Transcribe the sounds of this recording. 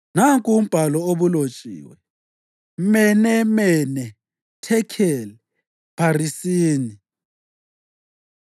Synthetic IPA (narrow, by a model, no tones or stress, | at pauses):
naŋkʼum̩b̥ʱalɔoβulot͡ʃʼḭːwɛ | mɛnɛmɛnɛ | tʰɛkʰɛlɛ | pʰarisiːni